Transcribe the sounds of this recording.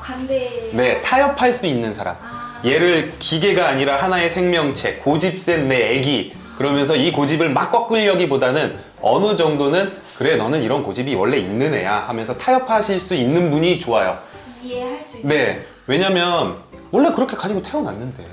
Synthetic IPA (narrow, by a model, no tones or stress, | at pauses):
ne̞tʰajʌpʰaɭs͈uinːɯnsʰaɾa̰mje̞ɾɯɭkiɡe̞ɡaːɲiɾahanae̞sʰe̞ŋmjʌŋt͡ɕʰe̞̰kod͡ʑip̚s͈e̞nːe̞eɡi | kɯɾʌmjʌns̬ʰʌikod͡ʑibɯɭmak͈ʌk͈ɯʎːʌɡibodanɯn | ʌ̰nɯd͡ʑʌŋdonɯn | kɯɾe̞nʌnɯniɾʌnkod͡ʑibiwʌɭːe̞inːɯne̞̰jahamjʌnsʰʌtʰajʌpʰaɕʰiɭs͈uinːɯnbuɲit͡ɕoajo̰ | ne̞ | we̞ɲamjʌn | wʌɭːe̞kɯɾʌkʰe̞kad͡ʑiɡotʰajona̰nːɯnde̞̰